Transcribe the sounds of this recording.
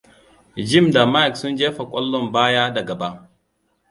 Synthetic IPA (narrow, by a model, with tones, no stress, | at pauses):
d͡ʒɪ˦˨mda˨ma˦jksʊ˦nd͡ʒeː˦ɸa˨kʷʼɔ˦lːɔ˦mbaː˦jaː˦da˨ɡɐ˨ba˦ʔ